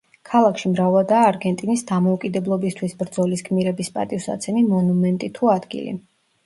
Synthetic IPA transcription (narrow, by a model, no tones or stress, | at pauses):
kʰalˠakʰʃimɾavalˠd̪aːɾɡɛnt̪ʼinisd̪amɔukʼid̪ɛblˠɔbist̪ʰwisbɾd̪zɔlisɡʰmiɾɛbispʼa̰t̪ʼivsa̰t̪sʰɛmimɔnumɛnt̪ʼit̪ʰuad̪ɡḭlḭ